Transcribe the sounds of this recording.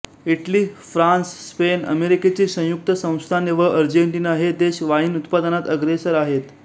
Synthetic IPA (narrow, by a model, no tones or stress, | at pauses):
iʈliːfɾansːpenə̰meɾiket͡ɕiːsə̃juk̚t̪əsə̃w̃st̪ʰaneʋaʔəɾd͡ʑeɳʈinaɦed̪eɕʋaɦiːnut̪pad̪ənat̪əɡɾesəɾaɦet̪